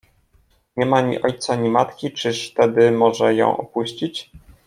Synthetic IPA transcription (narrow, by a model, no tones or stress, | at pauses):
ɲɛmaɲḭʔɔjt̪saɲimat̪kʲit͡ʂɘʂt̪ɛd̪ɘmɔʐɛjɔ̰̃w̃ʔɔ̰puɕt͡ɕit͡ɕ